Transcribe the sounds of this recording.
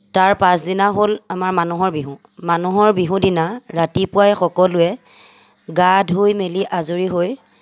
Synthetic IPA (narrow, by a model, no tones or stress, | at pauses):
taɹpãsdinaɦolamaɹmanuɦɔɹbiɦũ | manuɦɔɹbiɦũdinaɹatipʊajxɔkɔlʊɛ | ɡadʱɦojmeliʔazuɹiɦoj